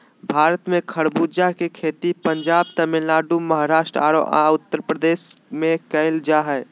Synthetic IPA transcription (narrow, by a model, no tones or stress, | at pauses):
bʱaːɾət̪mẽkʰəɽbud͡ʒakekʰeːt̪ipəɲd͡ʒaːb̚t̪əmɪlːaːɖuməɦaɾaːʃʈɾa̰ːɽoʔa̰ʊt̪ːəɾpɾəd̪eːsmẽkəɪld͡ʒaɦɛ